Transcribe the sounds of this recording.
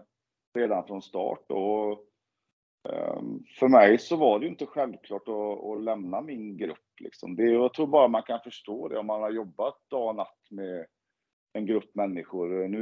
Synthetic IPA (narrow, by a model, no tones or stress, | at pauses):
ɾeːd̪anfɾɔnst̪ɑ̰ːʈ̚d̪o̰ɔ | fœɾmɛjsɔvaɖɛjʏɪnt̪əɧɛlvkʰlɑːʈɔɔ̰lɛmnamɪnɡɾɵ̰pːlɪ̰ksɔ̰md̪ɛjɑːt̪ʰɾuːɾbɑːɾamankʰanfœʂʈoːd̪ɛ̰ɔmːanhaɾjɔbːat̪̚d̪ɑːɡɔnat̪ːmɛ | ɛnɡɾɵpːmɛnːɪɧʊɾnʉ